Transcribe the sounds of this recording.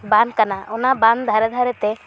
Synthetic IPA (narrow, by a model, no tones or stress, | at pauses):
bankanaʊnaband̪d̪ʱaɾɛd̪ʱaɾɛt̪e